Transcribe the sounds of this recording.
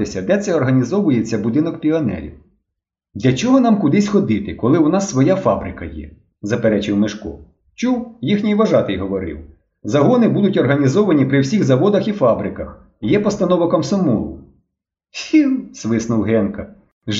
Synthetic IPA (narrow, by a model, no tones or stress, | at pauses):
ɪsʲɐd̪ɛt̪sɛɔrɦɐnʲizɔʋʊjet͡sʲːɐbʊd̪ɪnɔkpʲiɔnɛ̰ɾʲḭw | d̪lʲɐt͡ʃɔɦɔnɑmkʊd̪ɪsʲxɔd̪ɪt̪ɪkɔlˠɪɔnɑsːʋɔjafɑbɾɪkɐjɛ̰ | zɐpeɾɛt͡ʃɪwmɪʃkɔ̰ | t͡ʃuwjixnʲijʋɐʒɑt̪ɪjɦɔʋɔɾɪ̰w | zɐɦɔnɪbud̪ʊtʲɔrɦɐnʲizɔʋɐnʲipɾɪwsʲiɣzɐʋɔd̪ɐxifɑbɾɪkɐx | jɛpɔst̪ɐnɔʋɔkɐmsɔmɔ̰lˠʊ̰ | sʲiw̪sʋɪsnʊwɦɛnkɐ | ʒ